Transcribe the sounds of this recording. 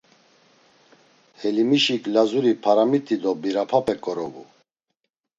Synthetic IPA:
hɛlimiʃikʼlazuɾipʰaɾamit̪ʼid̪ɔbiɾapʰapʰʼɛkʼɔɾɔvṵ

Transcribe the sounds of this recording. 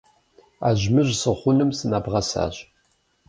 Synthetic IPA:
aʒmɨʑsəχʷʊnɨmsɨnabʁɐsa̰ːɕ

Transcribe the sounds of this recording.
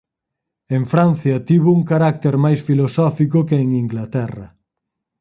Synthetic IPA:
eŋfɾan̟θjɐt̪iβouŋkaɾak̚t̪eɾmajsfilosɔfikʊkeːŋiŋɡlat̪ɛrɐ̰

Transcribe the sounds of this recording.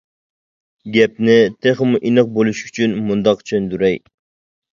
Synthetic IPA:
ɡʲɛp̚nɪt̪ʰeχəmuʔinɨq̚bolˠuʃy̥t͡ʃʰynmund̪ɑqt͡ʃʰønd̪yɾɛj

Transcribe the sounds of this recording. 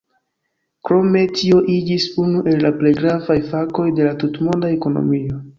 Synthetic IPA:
kɾo̞me̞tʰio̞ʔid͡ʒisunuʔe̞lːaple̞jɡɾavajfako̞jde̞latutmondae̞ko̞no̰mio̞

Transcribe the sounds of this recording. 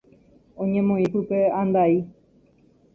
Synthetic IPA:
õɲẽmõĩpɨpeãnd̪ai

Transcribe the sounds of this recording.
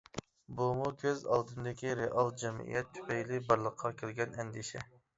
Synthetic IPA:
bumukʲʰøzɑ̰lˠd̪ɨnd̪ɪkʲiɾeʔɑlˠd͡ʒɛmḭjɛt̪ʰːy̥pɛjlɪbɑɾlˠəqʰːɑkʲʰɪlɡʲɛnɛnd̪ɪʃɛ̰

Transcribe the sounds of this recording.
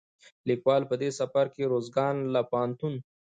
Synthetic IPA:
likwɑːlpəd̪esɐfɐɾkeɾoːzɡɑːnlapaːnt̪un

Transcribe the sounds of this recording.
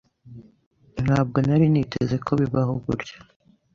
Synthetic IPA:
n̥haːb̚ɡo̞naɾinitʰeze̞kʰo̞βiβaɦoɡṵɾɟḁ

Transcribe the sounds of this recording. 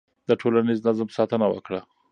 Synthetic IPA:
d̪əʈʰolaniznazamsɑt̪ənawə̰kɽa

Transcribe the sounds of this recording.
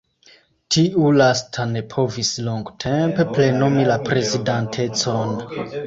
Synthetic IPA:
tʰiʔulastʰane̞pʰo̞visloŋɡtʰe̞mpe̞ple̞nomilapɾe̞zidantʰe̞t͡so̞n

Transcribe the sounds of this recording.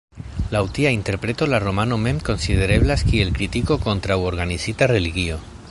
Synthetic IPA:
lawt̪iaint̪eɾpɾet̪olaromanomemko̞nsið̞eɾeβlaskielkɾit̪ikokont̪ɾawoɾɣanisit̪areliɣio

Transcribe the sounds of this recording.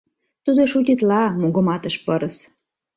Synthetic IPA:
t̪ud̪oʃut̪ʲit̪lɑmuɣə̆mɑt̪ə̆ʃpəɾəs

